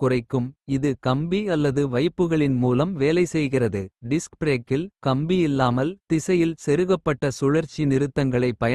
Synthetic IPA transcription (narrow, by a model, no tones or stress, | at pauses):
kʊrɐɪkːɯmɪðɯkɐmbiɐlːɐðɯʋɐɪpːɯɣɐɭɪnmuːlɐmʋeːlɐɪsɛjɣɪrɐðɯɖɪskpɾeːkːɪlkɐmbiɪlːaːmɐlt̪ɪsɐjɪlsɛɾɯɣɐpːɐʈːɐsʊɻɐɾt͡ʃːinɪɾɯt̪ːɐŋɡɐɭɐɪpːɐjɐ